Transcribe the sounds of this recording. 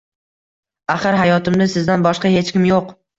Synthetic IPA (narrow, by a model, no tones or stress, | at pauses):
aχɨɾɦajɒt̪ɪmd̪asɪzd̪anbɒʃqɑhe̞t͡ʃkʲɪmjoq